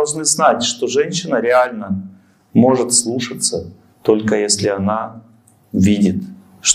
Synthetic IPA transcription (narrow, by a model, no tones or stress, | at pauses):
lˠʐnɨznatʲʂt̪o̞ʐɛnʲɕːɪnəɾʲɪalʲnə | mo̞ʐɨt̪slˠuʂət̪sə | t̪o̞lʲkəjesʲlʲɪɐna | vʲidʲɪt̪ | ʂ